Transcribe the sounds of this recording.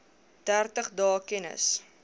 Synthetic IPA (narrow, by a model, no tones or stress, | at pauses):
d̥ærtəχdɑːkɛnə̰s